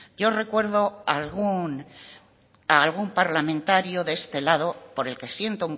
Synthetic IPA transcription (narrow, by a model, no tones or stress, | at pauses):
ɟ͡ʝo̞re̞kwe̞ɾðo̞alɣun | aːlɣumpaɾlamẽnt̪aɾjoðee̞st̪e̞laðo̞po̞ɾe̞lke̞sje̞nt̪ouŋ